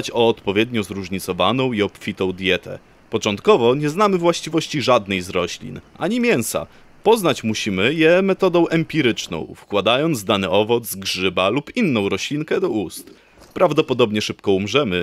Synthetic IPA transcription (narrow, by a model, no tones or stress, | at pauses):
t͡ɕɔːt̪pɔvʲjɛd̪ɲɔzɾuʐɲit̪sɔvanɔ̃w̃iɔpfʲit̪ɔ̃w̃d̪ʲjɛt̪ʰɛ̰ | pɔt͡ʂɔnt̪kɔvɔɲɛznamɘvwaɕt͡ɕivɔɕt͡ɕiʐad̪nɛjzɾɔɕlʲḭnʔaɲimʲjɛñsa̰ | pɔznat͡ɕmuɕimɘjɛmɛt̪ɔd̪ɔ̃w̃ʔɛmpʲiɾɘt͡ʂnɔ̰̃w̃fkwad̪ajɔnd̪zd̪anɘɔvɔt̪zɡʐɘbalupinːɔ̃w̃ɾɔɕlʲiŋkɛd̪ɔust̪ | pɾavd̪ɔpɔd̪ɔbɲɛʂɘpkɔumʐɛmɘ